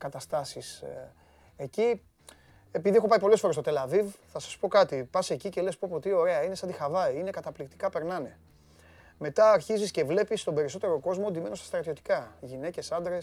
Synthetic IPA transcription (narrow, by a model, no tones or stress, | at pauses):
kɐt̪ɐst̪ɐsis | e̞ci | e̞piðie̞xopɐipo̞lesfoɾest̪ot̪elɐvivθɐsɐspo̞kɐt̪ipɐse̞cice̞lespopot̪io̞ɾe̞ɐine̞sɐnd̪ixɐvɐine̞kɐt̪ɐplikt̪i̥kɐpe̞ɾnɐne̞ | me̞t̪ɐːɾçizisce̞vle̞pist̪obe̞ɾiso̞t̪e̞ɾo̞ko̞zmond̪ime̞nost̪ɐst̪ɾɐt̪io̞t̪i̥kɐʝine̞ce̞sɐnd̪ɾe̞s